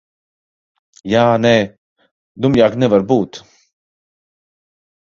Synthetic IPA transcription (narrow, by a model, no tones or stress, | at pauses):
jaːnɛ | d̪umjaːknɛvaɾbuːt̪